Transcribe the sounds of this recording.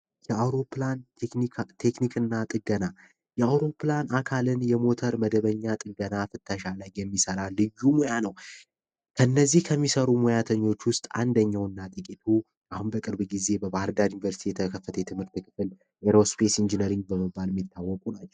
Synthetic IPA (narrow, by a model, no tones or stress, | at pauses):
jɛawɾo̞plannit̪ʰe̞knikɨnːat̪ʼɨɡəna | jɛawɾo̞planakʰalɨnjɛmo̞t̪ʰəɾməd̪əβəɲːat̪ʼɨɡənafɨt̪ːəʃaləjːɛmːisəɾalɨjːumojanəw | kʰənːəzːihkʰəmːisəɾumo̞jat̪ʰəɲːo̞t͡ʃːwʊst̪ʼa̰nd̪əɲːawɨnːat̪ʼɨkʼit̪ʰu | ʔahunbəkʼɨɾbɡize̞bəbahɨɾd̪aɾjunivəɾsi̥t̪ʰijɛt̪ʰəkʰəfːət̪ʰəjɛt̪ʰɨmhɨɾt̪ːɨkɨfɨl | ʔeɾospʰe̞sind͡ʒinəɾiŋɡ̚bəməbːalmːit̪ʰːawːɔkʼunat͡ʃːɛ